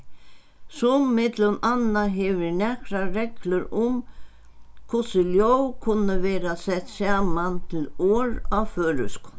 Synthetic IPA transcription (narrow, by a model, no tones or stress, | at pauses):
sʊmːɪt̪lʏmanːaɦɛvɪɾnɛkɾaɾɛklʏɾʊm | kʰʊsɪljowkʰʊnːəvɛːɾasɛht̪sjaːmant̪ʰɪlɔːɾawføːɾʏ̰sk